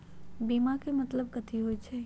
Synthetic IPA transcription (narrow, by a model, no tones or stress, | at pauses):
biːmakemɐt̪ləb̚kət̪ʰiɦoit͡ʃʰɛː